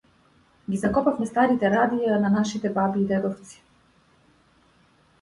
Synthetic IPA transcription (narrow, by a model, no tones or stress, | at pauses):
ɡizakɔpafmɛst̪aɾit̪ɛɾad̪ijananaʃit̪ɛbabiːd̪ɛd̪ɔft̪si̥